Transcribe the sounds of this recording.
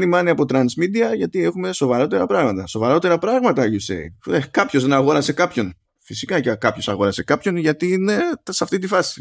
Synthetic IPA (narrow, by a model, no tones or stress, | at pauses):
nimɐniɐpo̞t̪ɾɐnsmid̪iɐʝɐt̪ie̞xume̞so̞vɐɾo̞t̪e̞ɾɐpɾɐɣmɐt̪ɐso̞vɐɾo̞t̪e̞ɾɐpɾɐɣmɐt̪ɐʝusḛiekɐpço̞zðenɐɣo̞ɾɐse̞kɐpço̞n | fisikɐckɐpço̞sɐɣo̞ɾɐse̞kɐpço̞nʝɐt̪inesɐft̪it̪ifɐsi̥